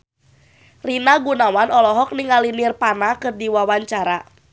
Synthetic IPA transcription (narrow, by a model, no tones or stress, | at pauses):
rinaɡunawanɔlɔɦɔk̚niŋalinirpanakɨrdiwawaɲt͡ʃaɾa